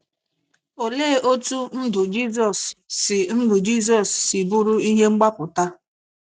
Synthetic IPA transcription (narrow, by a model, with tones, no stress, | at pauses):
o˨leː˦o˦tu˦n̩˦dʊ˨d͡ʒi˦z̬ɔ˨sːɪ˨n̩˦dʊ˨d͡ʒi˦s̬ɔ˨sːɪ˨bu˦ɾʊ˦i˦ɦe˦ŋ͡m̩˦ɡ͡ba˦pʊ˨ta˦